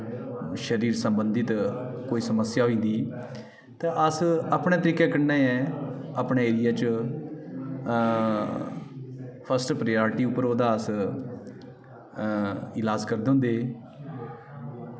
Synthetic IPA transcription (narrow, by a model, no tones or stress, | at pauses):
ʃəɾiːɾsəmbənd̪it̪koːiːsəməsjaːɦoĩːnd̪iː | t̪ẽːʔəsəːpɳẽːt̪əɾiːkɛːkənːeːɛ̃ːəpɳeːeːɾɪjaːt͡ʃ | pʰəsʈpɾjaːɾʈiːʊpːəɾoːd̪aːəs | ɪlaːd͡ʒkəɾd̪eːɦʊ̃nd̪eː